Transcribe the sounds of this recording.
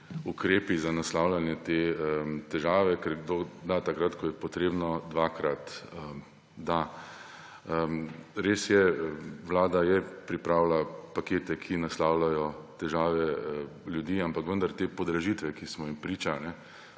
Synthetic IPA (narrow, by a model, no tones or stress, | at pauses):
ukɾeːpizanaslaːwlʲanjɛt̪et̪ɛʒaːʋɛkɛɾɡd̪od̪at̪akɾat̪kɔjɛpɔt̪ɾeːbnɔd̪ʋaːkɾat̪ə | d̪a | ɾeːsjɛʋlaːd̪ajɛpɾipɾaːwlapakeːt̪ɛkʰinaslawlajɔt̪ɛʒaːʋɛljud̪iːampakʋənd̪aɾt̪eːpɔd̪ɾaʒit̪ʋɛkismɔimpɾiːt͡ʃanɛ